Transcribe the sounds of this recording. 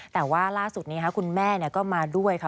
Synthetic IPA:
t̪ɛː˨˩waː˥˩laː˥˩su˨˩t̪̚niː˦˥kʰa˦˥kʰu˧nmɛː˥˩ni˥˩ɐkɔː˥˩maː˧du˥˩əjkʰa˦˥

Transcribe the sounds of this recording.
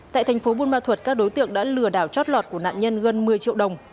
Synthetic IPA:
t̪a̰ː˧˨t̪ʰɛ˨˩jŋ̟fo˨˦ɓu˧nɓaː˧t̪ʰwə˨˩t̚kaː˦˥k̚ɗo˨˦jt̪ɨ̰˧˨əŋɗa̰ː˧˥lɨ˧˩əɗaː˧˩wt͡ɕɔ˦˥t̚lwɔ˨˩t̚ku˧˩əna̰ː˧˨nɲə˧nɣə˧nmɨ˧əjt͡ɕḭ˧˨əwɗə˨˩wŋ͡m

